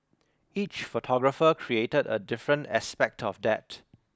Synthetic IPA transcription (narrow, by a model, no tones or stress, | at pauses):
it͡ʃfotʰɔɡɹəfəkʰɹietədə̰dɪfɹə̃ntaspɛk̚tʰɔfdɛt